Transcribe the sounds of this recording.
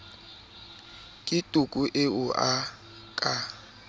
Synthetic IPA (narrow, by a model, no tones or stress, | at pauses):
kʼɪtʼukʼuʔɪʊʔa | kʼa